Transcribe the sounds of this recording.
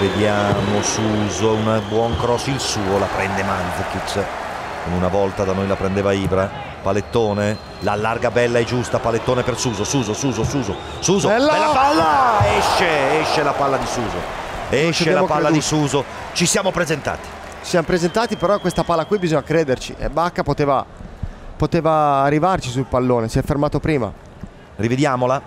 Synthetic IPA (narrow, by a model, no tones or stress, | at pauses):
ved̪jaːmosuːzounabwɔŋkɾɔsilsuːolapɾɛnd̪emand̪zkit̪s | konunavɔlt̪ad̪anojlapɾɛnd̪eːvaiːvɾa | palet̪ːoːne | lalːarɡabɛlːaɛd͡ʒːust̪apalet̪ːoːnepersuːzosuːzosuːzosuːzo | suːzoalːaɛʃːeɛʃːelapalːad̪isuːzo̰ɛʃeɛlaopalːad̪isuːzot͡ʃisjaːmopɾezent̪a̰ːt̪i̥ | sjamopɾezent̪aːt̪ipeɾɔkːwest̪apalːakwibizɔɲakɾeːd̪ert͡ʃiʔḛbakːapot̪eːva | pot̪eːvaːrːivart͡ʃisulpalːoːnesiɛfːermaːt̪opɾiːma̰ | rived̪jaːmola